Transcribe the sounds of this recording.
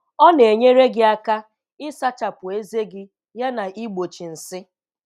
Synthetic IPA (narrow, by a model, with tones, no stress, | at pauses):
ɔ˦ne˨ɲe˦ɾe˦ɡɪ˦a˦ka˦ | ɪ˦sa˦t͡ʃa˨pʊ˨e˦ze˦ɡɪ˦ | ja˦na˨ʔi˦ɡ͡bo˨t͡ʃi˨n̩˨sɪ˦